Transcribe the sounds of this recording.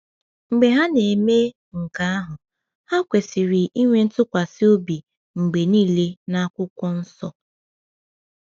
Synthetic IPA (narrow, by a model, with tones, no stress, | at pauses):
ŋ͡m̩˨ɡ͡be˨ɦa˦ne˨me˦ | ŋ̩˨ka˨a˦ɦʊ˨ | ha˦kʷe˨si˨ɾɪ˨i˦ŋʷe˨n̩˦tʊ˦kʷa˨sɪ˦o˦bi˨ | ŋ͡m̩˨ɡ͡be˨niː˦˨le˦na˦kʷʊ˦kʷɔ˦n̩˦sɔ˦